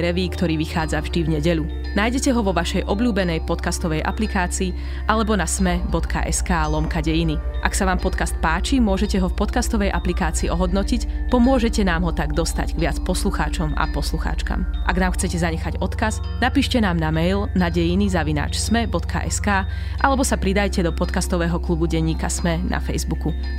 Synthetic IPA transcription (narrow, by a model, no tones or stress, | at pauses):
ɾɛʋiːkt̪ɔɾiːʋixaːd͡zavʒd̪ivɲɛɟɛʎu | naːjɟɛcɛɦɔʋɔʋaʃɛjʔɔbʎuːbɛnɛjpɔt̪kast̪ɔʋɛjʔa̰plikaːt͡siː | ʔalɛbɔnasmɛbɔt̪kʰa̰ʔɛskaːlɔmkaɟɛjiniʔaksaʋaːmpɔt̪kast̪̚paːt͡ʃimʊɔʒɛcɛɦɔfpɔt̪kast̪ɔʋɛjʔaplikaːt͡siːʔɔɦɔd̪nɔcicpɔmʊɔʒɛcɛnaːmɦɔt̪aɡd̪ɔst̪a̰ɟɡʋɪat͡spɔsluxa̰ːt͡ʃɔma̰pɔsluxa̰ːt͡ʃka̰mʔaɡnaːmxt͡sɛcɛzaɲɛxaɟɔt̪kaz | napiːʃcɛnaːmnamɛjlnaɟɛjinizaʋina̰ːt͡ʃsmɛbɔt̪kʰa̰ʔɛ̰skaː | ʔalɛbɔsapɾid̪ajcɛd̪ɔpɔt̪kast̪ɔʋɛːɦɔklubuɟɛɲːiːkasmɛnʔa̰fɛjzbuku